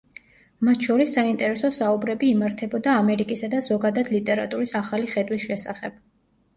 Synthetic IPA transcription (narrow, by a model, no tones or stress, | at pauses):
mat̪ʰʃɔɾisːaint̪ʼɛɾɛsɔsaubɾɛbiːmaɾt̪ʰɛbɔd̪aːmɛɾikʼisad̪azɔɡad̪ad̪lit̪ʼɛɾa̰t̪ʼuɾisaχaliχɛd̪wisʃɛsa̰χɛb̥